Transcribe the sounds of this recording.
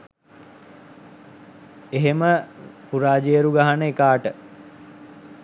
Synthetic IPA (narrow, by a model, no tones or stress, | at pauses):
eɦeməpuɾaːd͡ʒejəɾuɡaɦanəekaːʈə